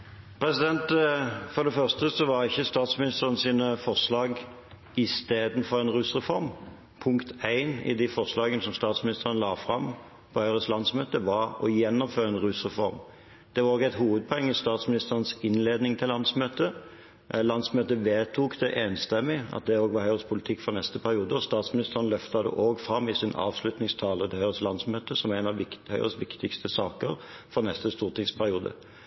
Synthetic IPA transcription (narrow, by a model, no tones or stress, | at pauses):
pʰɾɛsɪd̪ɛnt̪fɔd̪ɛfœʁst̪əsɔʋɑʁɪçːəst̪ɑːt̪smɪnɪst̪əʁənsiːnəfɔʁʂlɑːɡ | ɪst̪eːd̪n̩fɔʁɛnʁʉsʁɛfɔɾm | pʰʊŋkt̪ʰæɪnɪ̰d̪ɪfɔʁslɑːɡənəsɔmst̪ɑːt̪smɪnɪst̪əʁənlɑːfʁɑm | pʰɔhœʏʁəslɑnsmøːt̪əʋɑʁɔ̰jɛnːɔmføːʁɛnʁʉsʁɛfɔ̰ɾm | d̪̥ɛʋɑʁɔkæɪt̪huːʋəd̪̚pʰɔɛŋːɪst̪ɑːt̪smɪnɪst̪əʁənsɪnleːd̪nɪŋt̪ʰɪllɑnsmøːt̪ə | lɑnd̪smøːt̪əʋeːt̪ʰukd̪ɛʔeːnst̪ɛmːɪɑ̰t̪̚d̪ɛoːɡʋɑɦœʏʁəspʰʊlɪt̪ʰɪkːfɔʁnɛst̪əpʰæɾɪuːd̪əɔst̪ɑːt̪smɪnɪst̪əʁənlœft̪ɑd̪ə̰ʔoːɡfɾɑmːɪsɪnɑ̰ːʋslʉt̪nɪŋst̪ʰɑːlət̪ʰɪlœʏɾəslɑnd̪smøːt̪əsɔmæɪnɑʋɪhœʏʁəsʋɪkt̪ɪkst̪əsɑːkəɾfɔʁnɛst̪əst̪uːʁt̪ɪŋspʰæɾɪuːd̪ə̰